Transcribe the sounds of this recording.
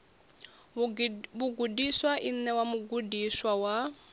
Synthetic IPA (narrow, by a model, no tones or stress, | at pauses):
buɡudiswaʔin̩nɛwamuɡudiswawa